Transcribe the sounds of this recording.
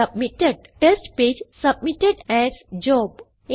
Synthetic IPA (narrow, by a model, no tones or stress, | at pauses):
ɐbmiʈeɖʈesʈped͡ʒsɐbmiʈeɖɛzd͡ʒɔb